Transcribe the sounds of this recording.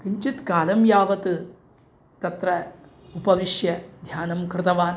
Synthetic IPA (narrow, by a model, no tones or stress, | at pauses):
kiɲt͡ʃit̪kaːlɐmjaːʋɐt̪ɨ | t̪ɐt̪ɾɐ | upɐʋiʃjɐd̪ʱjaːnɐmkɾɪt̪ɐʋaːn